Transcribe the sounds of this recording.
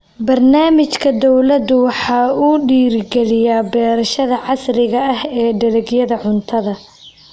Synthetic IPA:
bɐrnaːmɪt͡ʃkʰɐd̪ɔwlɐd̪ʊwɑħɑːuːɖiːɾɪɡɛlɪjaːbɛːɾɐʃɐðɐʕɑsrɪɣɐɐhɛːɖɐlɛɡjɐðɐʕʊnt̪ʰɐðɐ

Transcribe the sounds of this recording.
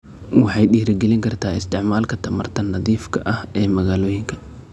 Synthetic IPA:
wɑħɑjɗiːɾɪɡɛlɪŋkʰɐrt̪ʰaːɪst̪ʰɪʕmaːlkʰɐt̪ʰɐmɐ̰rt̪ʰɐnːɐðiːfkʰɐʔɐhɛːmɐɣaːloːjɪŋkʰɐ̥

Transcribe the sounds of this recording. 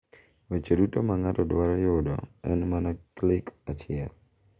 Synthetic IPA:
wet͡ʃodutomaŋatɔdwaɾjʊdɔ̰ɛ̰nmanaklɪkat͡ʃɪɛl

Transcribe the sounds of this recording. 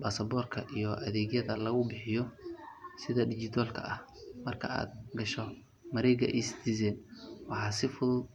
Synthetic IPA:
baːsɐbɔːrkʰɐʔijɔʔɐðɛːɣjɐðɐlɐɣʊbɪħɪjɔ | sɪðɐɖɪt͡ʃɪt̪ʰɔːlkʰɐ̰ʔɐh | mɐrkʰɐ̰a̰ːd̪̚ɡɐʃɔ | mɐɾɛːɡɐ̰ʔɛsd̪izɛːnwɑħɑːsɪfʊðʊd̪

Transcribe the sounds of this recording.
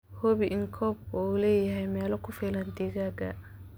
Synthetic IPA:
hɔβiʔɪŋkʰɔːb̚ulɛːjɐɦɛjmɛːlɔkʰʊfiːlɐnd̪ɛːɣaːɡɐ̰

